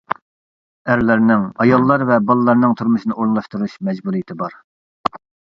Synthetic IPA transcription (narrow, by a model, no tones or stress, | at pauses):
æɾlɪɾnɪŋɑjɑlˠːɑɾvɛbɑlˠɨlˠɑɾnɨŋt̪ʰuɾmuʃinɨʔoɾŋlˠɑʃt̪uɾuʃmɛd͡ʒbuɾijit̪ʰɪbɑɾ